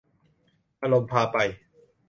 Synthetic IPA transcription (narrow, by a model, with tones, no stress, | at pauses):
ʔa˧lo˧mpʰaː˧pa˧j